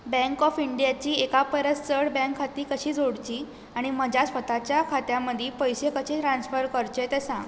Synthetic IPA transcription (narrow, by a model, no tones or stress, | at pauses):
bɛ̃ŋkɔfiɳɖijat͡ɕiːekapəɾət͡st͡səɽbɛ̃ŋkʰːat̪iːkəɕiːd͡zʱoɽt͡ɕiː | aɽ̃iməd͡ʑasfət̪at͡ɕjakʰat̪jãməd̪ʱiːpəjɕekəɕet̪ɾansfəɾkəɾt͡ɕet̪esãɡ